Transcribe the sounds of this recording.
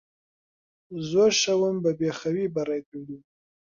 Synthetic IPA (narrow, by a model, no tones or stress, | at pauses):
zoɾʃawambabexawibaɾajt̪oɽi